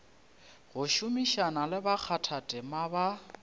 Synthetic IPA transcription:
ɣʊʃʊmiʃanalɪbak͡xʰatʰatʼɪmaba

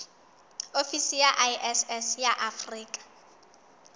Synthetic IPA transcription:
ofisijaʔajʔɛsɛsjaʔafriːkʼḁ

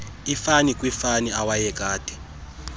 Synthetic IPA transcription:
ifanikʼwifaniawajɛɡ̥̬ʱʼaːd̥ʱʼi̥

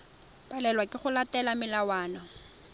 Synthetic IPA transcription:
pʼalɛlwakʼɪχʊlatʼɛlamɪlawaːnɔ

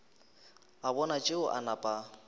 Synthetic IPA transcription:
abɔnat͡ʃʼɪʊʔa̰napʼa

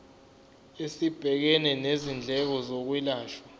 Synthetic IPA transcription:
esib̥ʱɛk̬ɛnɛnezind͡ɮʱɛk̬ɔzok̬wilaːʃwa

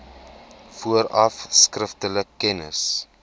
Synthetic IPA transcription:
fuəɾɐfskrəftələkːɛnə̰s

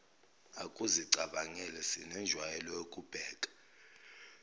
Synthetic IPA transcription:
akʼuziǀaɓaŋɛlɛsḭnɛnd͡ʒʱwajɛlɔjokʼub̥ʱɛːkʼḁ

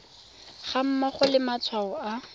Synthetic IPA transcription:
χam̩maχʊlɪmat͡sʰwaɔa

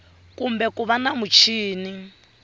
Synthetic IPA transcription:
kumbɛkuβanamut͡ʃʰiːni

